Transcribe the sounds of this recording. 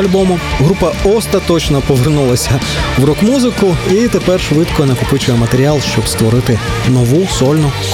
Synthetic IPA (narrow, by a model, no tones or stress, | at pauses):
ɐlʲbɔmʊɦɾupɐɔst̪ɐt̪ɔt͡ʃnɔpɔʋernulˠɐsʲɐ | wrɔkmuzɪkʊit̪epɛrʃʋɪd̪kɔnɐkʊpɪt͡ʃʊjɛmɐt̪eɾʲialˠʃt͡ʃɔbst̪ʋɔɾɪt̪ɪ | nɔʋusɔlʲnʊ